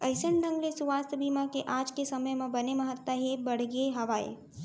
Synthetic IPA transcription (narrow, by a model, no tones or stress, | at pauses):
əjsəɳɖə̃ŋɡlesuʋaːst̪əbʱiːmakeʔaːd͡ʒkesɐməjmãbɐneməɦət̪ːaɦebɐɽ̤ɡeɦɐʋaːḛ